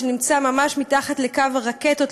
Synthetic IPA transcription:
nimt͡samamaʃmitaχatlekavaʁaketot

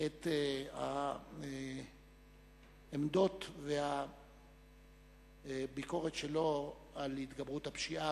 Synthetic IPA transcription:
et̪a̰ | emd̪o̞t̪veha | biko̞ʁet̪ʃelo̞ | alhit̪ɡabʁut̪hapʃiʔa

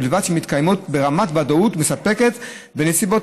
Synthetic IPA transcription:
ilvad̪ʃemit̪kajmotbe̞ʁamatbadoutmesape̞ke̞t | benesibo̞

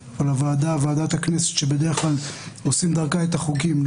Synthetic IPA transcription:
olavaːd̪avaːd̪at̪haknese̥t̪ʃebed̪eʁeχlalosimd̪aʁkaet̪aχukim

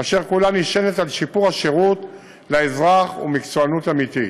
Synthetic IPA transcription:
aʃeʁkulaniʃenet̪alʃipuʁhaʃeʁut̪ | leezʁaχṵmikt͡suanut̪amit̪i

